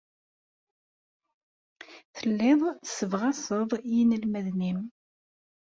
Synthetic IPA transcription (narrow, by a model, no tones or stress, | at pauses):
θəlːɪðˤə̥sːəvʁæsˤəðˤjinəlmæðnim